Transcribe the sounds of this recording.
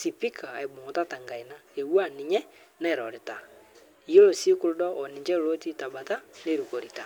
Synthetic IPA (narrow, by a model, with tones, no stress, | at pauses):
si˨pi˦kʰaː˨e˨bo˨ɔ˨ta˦ta˨ŋɡa˨i˨na˦e˨wwa˦˨ni˨ɲɛ˦ | na˦ɛ˨ɾɔ˨ɾɛ˨ta˨ | i˨o˦lo˨si˦ku˦ɾu˦dɔ˦ɔ˨ni˨ɲd͡ʒɛ˦˨ɾo˦ti˦ta˨ba˨ta˦ne˦˨ɾu˨ko˨ɾi˨ta˨